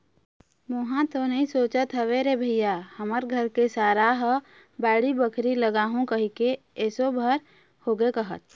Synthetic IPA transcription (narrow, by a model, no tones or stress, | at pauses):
moɦãt̪onəɦĩsoːt͡ʃət̪ɦəʋeɾebʱəɪjahəməɾɡʱəɾkesaːɾaɦə | baːɽibəkʰɾiləɡaːɦũkəɦike | ɛːsobʱəɾ | hoːɡekəɦə̰t̪̚